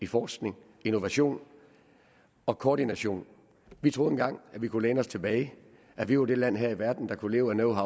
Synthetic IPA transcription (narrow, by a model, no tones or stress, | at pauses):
ifɒːsɡ̥ne̝ŋ | ino̝ʋæɕo̝̰ːn | ɒ̽kʰɒːɾ̥inæɕo̝̰ːn | ʋit͡sʰʁoð̩ˠenɡ̥ɑ̈ŋ̰æʋikʰuleːnəɒ̽st͡sʰe̝b̥ɛːɪ | ʔæʋiod̥e̝læn̰ɦeɐ̰iʋæɐd̥n̩d̥ɑ̈kʰule̝ːʊænoʊɦɑ̈